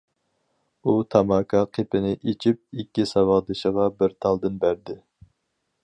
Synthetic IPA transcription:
ut̪ʰɑmɑːkʰɑqʰepɪnɪʔet͡ʃʰip̚ikʲːisɑwɑʁd̪ɨʃəʁɑbɪɾt̪ʰɑlˠd̪ɨnbæɾd̪ɪ

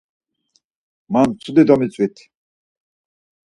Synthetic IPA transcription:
mant͡sʰud̪id̪ɔmit͡sʼwit̪ʰ

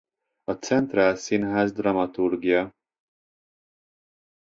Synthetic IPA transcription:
ɒt̪sɛnt̪raːlsinɦaːzd̪rɒmɒt̪urɡijɒ

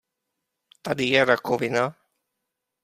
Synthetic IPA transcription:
t̪ad̪ijɛɾakovina

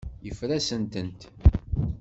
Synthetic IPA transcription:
jəfɾæsənt̪ənt̪

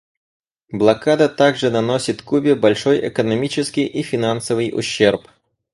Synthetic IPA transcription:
blˠɐkad̪ət̪aɡʐɨnɐnosʲɪt̪kubʲɪbɐlʲʂojʔɛ̰kənɐmʲit͡ɕɪskʲɪjʔifʲɪnansəvɨjʊ̰ɕːerp

